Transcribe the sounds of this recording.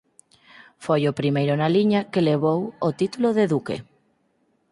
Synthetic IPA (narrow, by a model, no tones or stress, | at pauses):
fojopɾimejɾonaliɲakeleβ̞owot̪it̪uloðeðukḛ